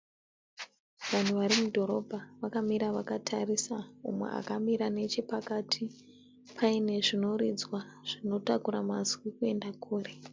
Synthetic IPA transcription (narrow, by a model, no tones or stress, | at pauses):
ʋan̤uʋaɾimudʱo̞ɾo̞bʱaʋakamiɾaʋakatʰarisaṵmwḛa̰kamiɾane̞t͡ʃipakatʰi | pʰaine̞ʐino̞rid͡zwaʐ̥ino̞takuɾamazwikue̞ndakʰuːre̞